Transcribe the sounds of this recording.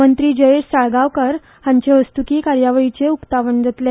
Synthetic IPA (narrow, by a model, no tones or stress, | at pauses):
ənt̪ɾiːd͡ʑəeʂsaɭɡaʋkəɾ | hãɲt͡ɕeʋəst̪ukiːkaɾjaʋəɭit͡seukt̪aʋəɳd͡zət̪le